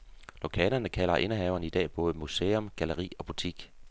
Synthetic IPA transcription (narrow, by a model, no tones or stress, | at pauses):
lokʰɛːlɐnəkʰælɐʔe̝nəɦɛʊɐnəid̥ɛ̰ːb̥ɔ̽ːð̞̩ˠmuseːɔmɡ̥æləʁḭːɒ̽b̥ut͡sʰiɡ̥